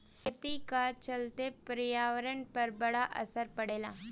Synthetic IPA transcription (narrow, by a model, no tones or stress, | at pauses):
kʰet̪ikat͡ʃɐlt̪epɾijaːʋɾəɳpɐɾbɐɽaʔə̰səɾpɐɽeːlaː